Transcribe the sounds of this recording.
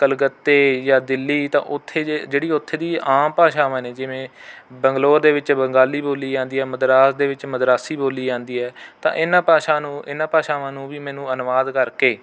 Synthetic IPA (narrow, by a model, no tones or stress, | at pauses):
kəlɡət̪ːeːjaːd̪ɪlːiːt̪ã̰ːʔʊt̪ʰːeːd͡ʒeːɽiːʊt̪ʰːeːd̪iːaːmpaːʃaːʋãːneːd͡ʒɪʋẽːbəŋɡloːɾd̪eːʋɪt͡ʃbəŋɡaːliːboːliːd͡ʒãːnd̪iːɦɛːməd̪ɾaːsd̪eːʋɪt͡ʃməd̪ɾaːsiːboːliːd͡ʒãːnd̪iːɦɛːt̪ã̰ːʔɪnãːpaːʃãːnũːɪnãːpaːʃaːʋãːnũːʋiːmɛ̃ːnũːənʋaːd̪kəɾkeː